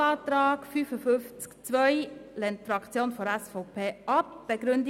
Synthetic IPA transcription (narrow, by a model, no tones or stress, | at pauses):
ɑːtɾɑːɡ̥fyːfəfʏnft͡skt͡svœʏlɛntfɾɑkt͡sjoːnfɔɾɛsfoʊpʰeːʔɑp̚b̥ɛɡɾʏnd